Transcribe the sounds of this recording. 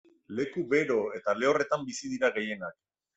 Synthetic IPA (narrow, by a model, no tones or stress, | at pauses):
le̞kuβe̞ɾo̞e̞t̪ale̞ore̞t̪ambisið̞iɾaɣe̞je̞nak̚